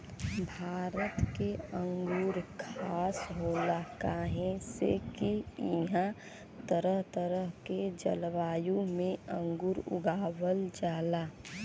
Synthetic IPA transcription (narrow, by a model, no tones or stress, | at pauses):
bʱaːɾət̪keə̃ŋɡuːɾkʰaːsɦoːlakaːɦẽsḛkiiɦã | t̪əɾəɦt̪əɾəɦked͡ʒə̰lʋaːjũmẽə̃ŋɡuːɾʊ̰ɡaːwəld͡ʒaːla